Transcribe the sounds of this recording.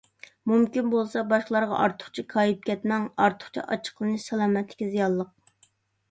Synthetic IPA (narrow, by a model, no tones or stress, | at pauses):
mumkʲinbolˠsɑbɑʃqəlˠɑɾʁɑ̰ʔɑɾt̪ʰʊ̥χt͡ʃʰikʰɑːjip̚kʲɛt̪mɛŋɑɾt̪ʰʊ̥χt͡ʃʰḭʔɑ̰t͡ʃʰə̥qlˠɨnɨʃsɛlˠɑːmɛt̪lɪ̥kʲizijɑlˠːəq̚